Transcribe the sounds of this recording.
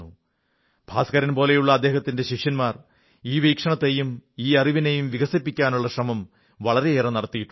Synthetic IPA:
u | b̥ʱaːskɐɾɐnpo̞ːle̞juɭːɐːd̪ːe̞ːhɐt̪ːinde̞ɕiʂjɐnmaːr | iːʋiːkʂɐɳɐt̪ːejumiːɐriʋinejumʋiɣɐsipːikʲːaːnuɭːɐɕrɐmɐm | ʋɐɭɐɾe̞eːrɐnɐɽɐt̪ːijiʈː

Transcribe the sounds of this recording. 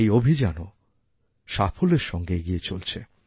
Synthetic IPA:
ejobʱid͡ʑano | ʃafʰoleɾʃɔŋɡeeɡijet͡ɕolt͡ɕʰe

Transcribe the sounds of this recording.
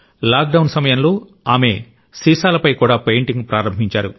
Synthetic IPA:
laːk̚ɖɐwnsɐmɐjɐnloː | aːme̞ː | siːsaːlɐpɐjkuːɽaːpejɳʈiŋɡpɾaːɾɐmbʱiɲt͡ʃaːɾu

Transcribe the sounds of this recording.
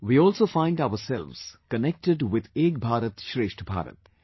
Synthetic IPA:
ʋiːɔːlsoːfãɪ̃nɖaʊəsɛlʋz̥kənɛk̚ʈɪɖʋɪd̪eːɡ̚bʱaːɾət̪ʃɾeːʃʈʰbʱa̰ːɾə̰t̪

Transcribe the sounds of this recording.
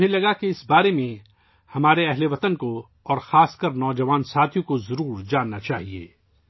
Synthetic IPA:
elɐɡakeɪsbaːɾemẽ | hɐmaːɾeɛɦleʋɐt̪ənko | ɔːɾxaːskəɾnɔːd͡ʒɐʋaːnsaːt̪ʰijõkozɐɾuːɾd͡ʒaːnːat͡ʃaːɦiḛː

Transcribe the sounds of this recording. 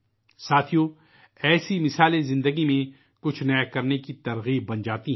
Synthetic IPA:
saːt̪ʰijõ | ɛːsimɪsaːlẽzɪ̃nd̪əɡimẽ | kʊt͡ʃʰnɐkɐɾnekit̪ɐɾɣiːb̚ːɐ̃nd͡ʒaːt̪iɦ

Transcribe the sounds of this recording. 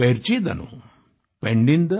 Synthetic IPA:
eɾt͡ʃid̪ɐ̰nṵ | peɳɖind̪ɐ

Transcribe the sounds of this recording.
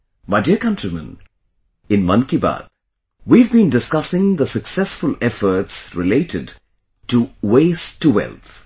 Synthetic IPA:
maɪdiəkʌ̃ntɹimə̰̃n | ɪ̃nmʌ̃nkiba̰d̪ | wivbĩːndɪskʌsɪ̃ŋd̪əsəksɛsfʊlɛfə˞tsɹɪleɪtʰɪd | tuweɪstːuwɛ̰lˠt̪

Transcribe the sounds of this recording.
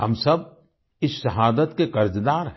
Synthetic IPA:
ɦɐ̰msɐb̚ | ɪsʃɐɦaːd̪ət̪kekɐɾd͡ʒd̪aːɾɦ

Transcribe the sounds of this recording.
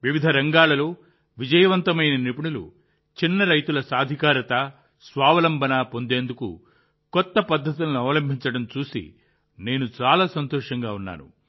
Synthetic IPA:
ʋiʋid̪ʱɐɾɐŋɡaːlɐloː | ʋid͡ʒɐjɐʋɐnt̪ɐmɐjnɐnipiɳulṵ | t͡ʃinːɐɾɐjt̪ulɐsaːd̪ʱikaːɾɐt̪ɐ | sʋaːʋɐlɐmbʱɐnaːpond̪e̞ːnd̪ukṵ | kɔt̪ːɐpɐd̪ʱːɐt̪̬unɐnuɐʋɐlɐmbʱiɲt͡ʃɐɽɐmt͡ʃuːsḭ | ne̞ːnut͡ʃaːlaːsɐnt̪ɔːʂɐŋɡaːunːa̰ːnṵ

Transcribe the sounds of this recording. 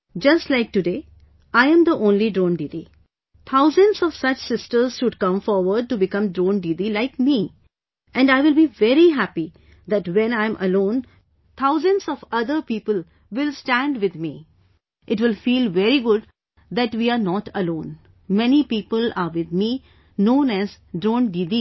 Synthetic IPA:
d͡ʒʌsʈlaɪk̚ʈuɖeː | aɪə̃md̪iʔõːnliɖɾõːnɖidi | t̪ʰaʊzə̃nɖzɔʋ̥sʌt͡ʃsɪsʈəɾz̥ʃʊɖ̚kʌ̃mfɔɾʋəɾɖ̚ʈubɪkʌ̃mɖɾõːnɖidilaɪkmi | ʔɛ̃ɳɖaɪʋɪlbiʋɛɾiɦæpi | d̪æʈʋɛ̃nãɪ̃mʔə̰lõːn | t̪ʰaʊzə̃nzɔʋʌd̪əɾpiːpəl | ʋɪlsʈæ̃ɳɖʋɪd̪miː | ʔɪʈʋɪlfiːlʋɛɾiɡʊɖ | d̪æʈʋiaɾnɔːʈəlõːn | mɛnipiːpəlaɾʋɪd̪̚mi | nõːnæz | ɖɾõːnɖiːd̪i

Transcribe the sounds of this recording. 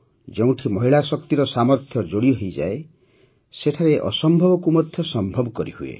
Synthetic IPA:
d͡ʒeũʈʰimɔɦiɭasɔkt̪iɾɔsamɔɾt̪ʰjɔd͡ʒoɽiɔɦejd͡ʒa̰e | seʈʰaɾeʔɔ̰sɔmbʱɔbɔkumɔd̪ʱjɔsɔmbʱɔbɔkɔɾḭhuḛ

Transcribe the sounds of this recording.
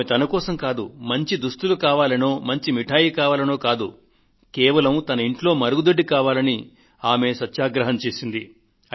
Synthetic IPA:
et̪ɐnɐkɔːsɐmkaːd̪ṵmɐɲt͡ʃid̪ust̪ulukaːʋaːlɐnoːmɐɲt͡ʃimiʈʰaːjikaːʋaːlɐnoːkaːd̪u | kɛːʋɐlɐmt̪ɐnɐiɳʈlo̞ːmɐɾuɡud̪ɐɖːikaːʋaːlɐni | aːme̞sɐt̪ːʃaːɡɾɐɦɐmt͡ʃe̞ːsind̪i

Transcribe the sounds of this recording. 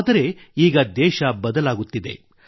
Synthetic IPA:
d̪ɐɾe̞iːɡɐd̪ɛːʃɐbɐd̪ɐlaːɡut̪ːid̪e̞̰

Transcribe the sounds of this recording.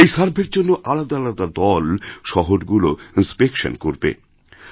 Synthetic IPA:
ejʃaɾbʱeɾd͡ʑonːoʔalad̪aalad̪ad̪ɔlʃɔɦoɾɡuloinspekʃo̰nkoɾbḛ

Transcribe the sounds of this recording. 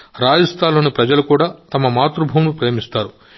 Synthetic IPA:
ɾaːd͡ʒɐst̪ʰaːlo̞ːnipɾɐd͡ʒɐlukuːɽaːt̪ɐmɐmaːt̪ɾubʱuːwnupɾe̞ːmist̪aːɾu

